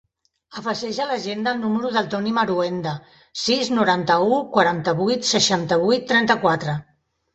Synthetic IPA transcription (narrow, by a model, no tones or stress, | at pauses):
əfəʒɛʒələʒend̪əlˠnuməɾuðəlˠt̪ɔniməɾuɛnd̪ə | siznuɾant̪əukwaɾant̪əβujt̪səʃant̪əβujt̪ːɾɛnt̪əkwat̪ɾə